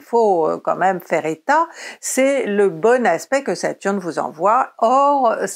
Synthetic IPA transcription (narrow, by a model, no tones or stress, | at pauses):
foø̰kɑ̰̃mɛmfɛʁet̪asɛləbɔnaspɛkəsat̪yʁnvuzɑ̰̃vwaɔʁ